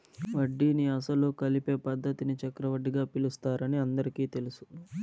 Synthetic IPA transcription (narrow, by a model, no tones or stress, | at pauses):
ʋɐɖːiniɐsɐlukɐlipe̞ːpɐd̪ʱːɐt̪init͡ʃɐkɾɐʋɐɖːiɡaːpilust̪aːɾɐniɐnd̪ɐɾikiːt̪e̞lisu̥